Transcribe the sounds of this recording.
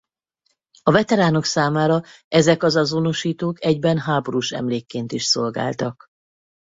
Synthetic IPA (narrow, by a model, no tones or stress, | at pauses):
ɒvɛt̪ɛɾaːno̞ksaːmaːɾɒɛzɛkɒzɒzo̞no̞ʃiːt̪oːkɛɟbɛnɦaːboɾuʃɛ̰mleːkːeːnt̪iʃso̞lɡa̰ːlt̪ɒk